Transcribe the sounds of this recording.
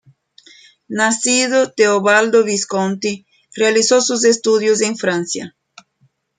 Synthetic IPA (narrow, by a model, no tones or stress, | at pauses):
nasiðot̪eoβald̪oβiskõnt̪i | realisosuzest̪uðjʊz̬ẽŋfɾãnsjɐ̰